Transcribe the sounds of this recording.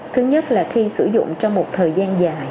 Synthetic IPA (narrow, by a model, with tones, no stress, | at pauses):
t̪ʰɨ˨˦ɲə˦˥t̚laː˨˩xi˧sɨ˧˩zʊ̰˧˨ŋ͡mt͡ɕɔ˧wŋ͡mmo˨˩t̚t̪ʰəː˨˩jzaː˧nzaː˨˩j